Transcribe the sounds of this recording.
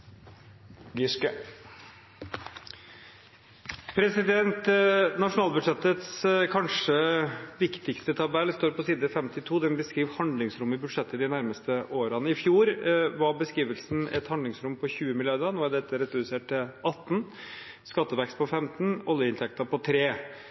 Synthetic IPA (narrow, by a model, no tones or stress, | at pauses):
ɡɪʂkə | pʰɾɛsɪd̪ɛnt̪nɑʂʊnɑːlbʉd̪ʂɛt̪ət̪skʰɑnʂəʋɪkt̪ɪkst̪ət̪ʰɑbɛlːst̪oːɾpʰɔsiːd̪əfɛmt̪ɪt̪ʰuːd̪ɛnbəskɾiːʋhɑnd̪lɪŋsɾʊmːɪbʉd̪ʂɛt̪ːəd̪ɪnæɾməst̪əʔoːɾɑnəɪfjuːɾʋɑɾbəskiːʋəlsn̩ɛ̰t̪hɑnd̪lɪŋsɾʊmpʰɔçʉːəmɪlɪjɑɾd̪ɑnoːæd̪ɛt̪ːəɾɛt̪seːʈ̚t̪ɪʔɑt̪ːn̩ | skɑt̪ːəʋɛkst̪̚pʰɔfɛmt̪n̩ɔljəɪnt̪ʰɛk̚t̪ɑpʰɔt̪ʰɾeː